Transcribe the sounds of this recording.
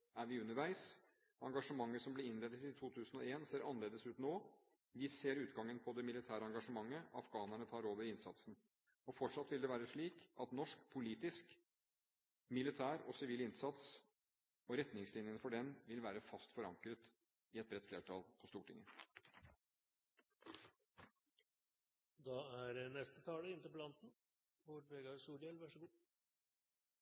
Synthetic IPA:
æɾʋɪʉnːəɾʋæɪs | ɑŋɡɑʂəmɑŋːəsɔmblɪɾɪnleːd̪ət̪ɪt̪ʰuːt̪ʰʉːsən̩ɔeːnseːɾʔɑnəleːd̪əsʉːt̪noː | ʋɪseːɾʉːt̪ɡɑŋːənpʰɔd̪ɛmɪlɪt̪ʰæːɾəɑŋɡɑʂəmɑŋːəɑfɡɑːnæɳət̪ʰɑːɾoːʋəɾɪnsɑt̪sn̩ | ɔfɔʈʂɑt̪ːʋɪld̪ɛʋæːɾəʂɭiːkɑt̪nɔʂkpʰʊliːt̪ɪsk | mɪlɪt̪ʰæːɾɔsɪʋiːlɪnsɑt̪s | ɔɾɛt̪nɪŋslɪnjənfɔɖɛnʋɪlʋæːɾəfɑst̪fɔɾɑŋkɾət̪ | ɪɛt̪̚bɾɛt̪ːflḛːʈʰɑlpʰɔst̪uːʈʰɪ̰ŋːə | d̪ɑːæɾnɛst̪ət̪ʰɑːləɪnt̪əpɔlɑnt̪n̩ | hʊɾpeɡɑsuːɖjɛlʋæʂəɡuː

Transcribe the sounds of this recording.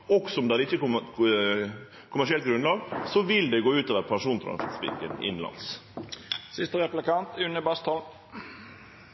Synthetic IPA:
ɔksɔɔmd̪ɛæɾɪçːə | kʰʊmæʂɪɛlt̪̚ɡɾʉnlɑːɡsɔʋɪld̪ɛɡoːʉːt̪oːʋəɾpʰænʂuːnt̪ʰɾɑ̰nsɪt̪spɪ̰lkənɪ̰nlɑ̰ns | sɪst̪əʁɛplɪkɑnt̪ʉnːəbɑst̪ʰɔl

